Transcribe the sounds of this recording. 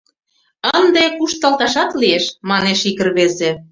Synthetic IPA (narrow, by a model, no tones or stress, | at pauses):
ənd̪ekuʃt̪ɑlt̪ɑʃɑt̪lieʃmɑneʃikə̆rβeze